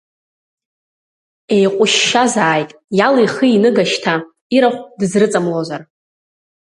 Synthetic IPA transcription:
e̞jqʷʼʊʃːazaːjtʼjalijχəinɨɡaʃtʰa | iɾaχʷdɨzrɨt͡sʼamlozar

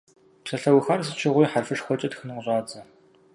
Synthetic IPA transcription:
ʈ͡ʂʰɐɬɐwxaːrsɨt͡ʃʰɪʁʷijːħarfɨʂxʷɔt͡ʃʼɐtxɨnɨwʷʑʼaːd͡zɐ

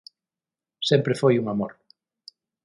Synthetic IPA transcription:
sempɾefojuŋamoɾ

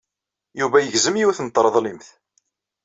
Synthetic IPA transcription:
juvæjəʝzəmjiwθnət̪ˤːɾˤəðˤlimθ

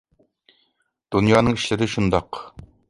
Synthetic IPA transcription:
d̪̥unjɑːnɨŋiʃlɪɾɪʃund̪ɑq

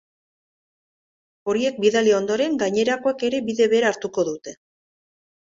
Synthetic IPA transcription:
o̞ɾie̞k̚biðalio̞nd̪o̞ɾe̞ŋɡaɲe̞ɾako̞ake̞ɾe̞biðe̞βeːɾaːɾt̪uko̞ðut̪e̞

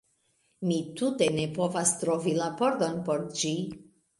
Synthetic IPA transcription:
mitute̞ne̞po̞vastɾo̞vilapo̞ɾdo̞npo̞ɾd͡ʒi

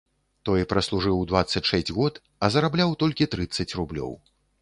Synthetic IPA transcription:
t̪ɔjpɾɐslˠuʐɨwd̪vat̪sːɐt͡sʲʂɛsʲd͡zʲɣɔt̪ | ɐzɐɾablʲawt̪ɔlʲkʲit̪ɾɨt̪sːɐt͡sʲrublʲɔ̰w

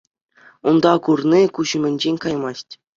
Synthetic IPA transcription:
und̪ɑkurnʲikuʑɘ̆mʲɘ̆nʲd͡ʑenʲkɑjmɑsʲtʲ

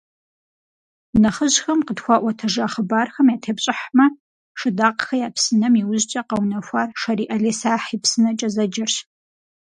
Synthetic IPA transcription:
nɐχəʑxɐmqədxʷɑːʔʷɔtʰɐʒaːχəbaːrxɐmjaːtʰeːpɕʼɪħmɐ | ʂɨdaːqxɐjaːpsɨnɐmiwʊʑt͡ʃʼɐqɐwnɐxʷarʂɐɾiːʔɐɮeːsaːħipsɨnɐt͡ʃʼɐzɐd͡ʒɐrɕ

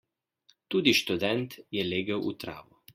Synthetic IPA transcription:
t̪uːd̪iʃt̪ud̪ɛnt̪jɛleːɡəwʔṵt̪ɾa̰ːʋu

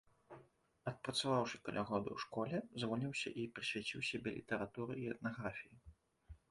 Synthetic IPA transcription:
ɐt̪̚pɾɐt̪savawʂɨkɐlʲaɣɔd̪ɐ̰wʂkɔlʲɛzvɔlʲiwsʲɐ̰ʔipɾɨsʲvʲat͡sʲiwsʲabʲɛlʲḭt̪ɐɾat̪uɾɨiɛt̪̚naɣɾafʲiji

